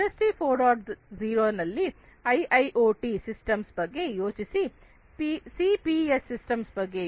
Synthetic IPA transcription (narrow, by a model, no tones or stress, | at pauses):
ɐsʈipʰoːɾɖaːʈziːɾoːnɐlːi | ɐjʔɐjʔoːʈisisʈɐmsbɐɡːe̞joːt͡ʃisi | pisiːpiesːisʈɐmsbɐɡːe